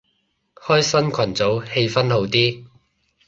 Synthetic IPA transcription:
hɔː˥jsɐ˥nkʰɐ˨˩nt͡so˨˥whe˧jfɐ˥nho˨˧wt̪iː˥

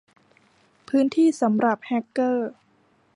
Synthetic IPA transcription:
pʰɯː˦˥nt̪ʰiː˥˩sa˩˦mɾa˨˩p̚hɛ˦˥kːɤː˥˩

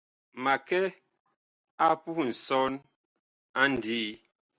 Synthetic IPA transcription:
ma˨kɛ˦ | a˦pu˦˨n̩˨sɔ˦n | a˦n˨di˦

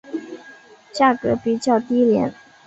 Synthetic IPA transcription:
t͡ɕja˥˩kɤ˧˥pi˨˩t͡ɕjɑ˥˩ʊt̪i˥ljɛ̰˧˥n

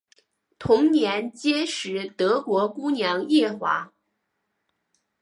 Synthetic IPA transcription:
t̪ʰʊ˧˥ŋnjɛ˧˥nt͡ɕjɛ˥ʂɻ̩˧˥t̪ɤ˧˥kwɔ˧˥ku˥njɑ˧˥ŋjɛ˥˩xwa̰˧˥

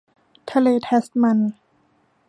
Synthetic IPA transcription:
t̪ʰa˧leː˧t̪ʰe˦˥st̪̚ma˧˩n

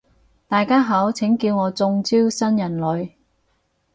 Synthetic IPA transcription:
t̪aː˨jkaː˥ɦaː˨˥wt͡sʰɪ˨˥ŋkiː˧wŋɔː˨˧t͡sʊ˧ŋt͡siː˥wsɐ˥njɐ˨˩nlɵ˨˧ɥ

